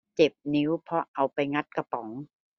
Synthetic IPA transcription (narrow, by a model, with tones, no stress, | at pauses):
t͡ɕe˨˩p̚ni˦˥wpʰɔ˦˥ʔa˧wpa˧jŋa˦˥t̪̚ka˧pɔ˩˦ŋ